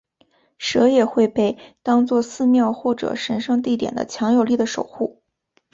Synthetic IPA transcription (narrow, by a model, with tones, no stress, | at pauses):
ʂɤ˧˥jɛ˨˩xwe˥˧ɪpe˥˩ɪt̪ɑ˥ŋt͡swɔ˥˧sɹ̩˥˧mjɑ˥˧ʊxwɔ˥˩ʈ͡ʂɤ̰˨˩ʂə˧˥nʂɤ˥˧ŋt̪̬i˥˩t̪jɛ̰˨˩nd̪ə̰˦t͡ɕʰjɑ˧˥ŋjo˨˩ʊli˥˩d̪ə˩ʂo˨˩ʊxu˥˩